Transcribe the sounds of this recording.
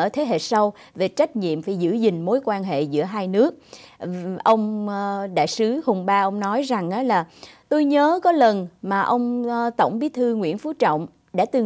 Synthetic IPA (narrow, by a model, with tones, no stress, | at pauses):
əː˧˩t̪ʰe˨˦ɦḛ˧˨sa˧w | ve˨˩t͡ɕa˦˥jk̟̚ɲḭ˧˨əmvaː˨˩jzɨ̰˧˥zï˨˩ŋ̟mo˨˦jkwaː˧nɦḛ˧˨zɨ̰˧˥əɦaː˧jnɨ˦˥ək̚ | ʔə˧wŋ͡mɗa̰ː˧˨jsɨ˨˦hʊ˨˧˩wŋ͡mɓaː˧ʔə˧wŋ͡mnɔ˨˦jza˨˩ŋʔaː˨˦laː˨˩t̪o˧jɲəː˨˦kɔ˨˦lə˨˩nmaː˨˩ʔə˧wŋ͡mt̪ə˧˩wŋ͡mɓi˨˦t̪ʰɨ˧ŋwḭ˧˥ənfu˨˦t͡ɕɔ̰˧˨wŋ͡m | ɗa̰ː˧˥t̪ɨ˨˩